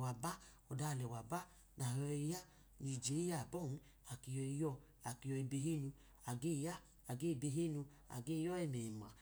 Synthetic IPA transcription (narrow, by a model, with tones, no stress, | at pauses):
wa˨ba˦ | ɔ˨da˧˨lɛ˨wa˨ba˦ | na˨ɦɔ˧i˧ja˦ | ni˧˨d͡ʒe˨˦ja˦˨bɔ˦˨n̩˦ | a˨ki˨jɔ˧i˧jɔ˧ | a˨ki˨˧jɔ˧i˧be˧ɦe˦nu˧ | a˨ɡe˦˨ja˦ | a˨ɡe˦˨be˧ɦe˦nu˧ | a̰˨ɡe˦jɔ˦ɛ˦˨mɛ˨ma̰˨